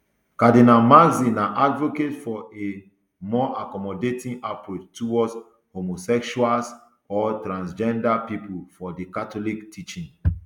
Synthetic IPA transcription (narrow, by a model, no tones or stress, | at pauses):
kadinalmazinãʔadvoketfɔe | mɔʔakɔmɔdetĩnapɹot͡ʃtuwɔds | homosɛkʃuals | ɔtɾãnsd͡ʒɛ̃ndapipufɔdekatɔliktʰit͡ʃĩn